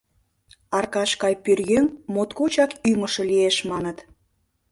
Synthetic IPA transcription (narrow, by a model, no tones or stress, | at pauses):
ɑrkɑʃkɑjpyrɣøŋmot̪kot͡ɕɑkyməʃɤ̆lieʃmɑnət̪